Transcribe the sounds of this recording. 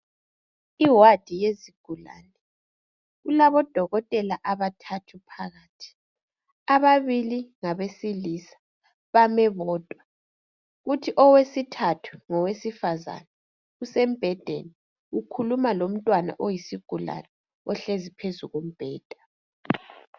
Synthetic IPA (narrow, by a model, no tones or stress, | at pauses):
iwad̥ʱijeziɡ̥ʱula̰ːnɛ | ɣulaβɔd̥ʱɔɣɔtʼɛlaʔaβatʰatʰupʰaɣaːtʰi̥ | aβaβiliŋaβesilisḁ | βamɛβɔːd̥ʱʼwa | ɣutʰiʔɔwesitʰatʰu̥ŋɔwesifaza̰na | usɛm̩b̥ʱɛd̥ʱḛni | ukʰulumalom̩tʼwana̰ʔojisiɡ̥ʱula̰nɛ | ɔɬezipʰezuɣum̩b̥ʱɛːd̥ʱḁ